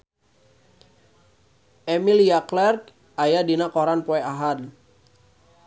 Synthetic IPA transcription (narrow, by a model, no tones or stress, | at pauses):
ʔɛmilijaklɛrk | ajadinakɔɾanpɔɛaɦad